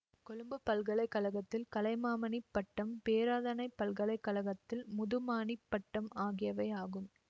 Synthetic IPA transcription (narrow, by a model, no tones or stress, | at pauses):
kɔɻɯmbɐpːɐlɣɐɭɐɪkːɐɭɐɣɐt̪ːɪlkɐlɐɪmaːmɐnɪpːɐʈːɐmpeːɾaːðɐnɐɪpːɐlɣɐɭɐɪkːɐɭɐɣɐt̪ːɪlmʊðɯmaːnɪpːɐʈːɐmaːɣɪjɐʋɐɪaːɣɯm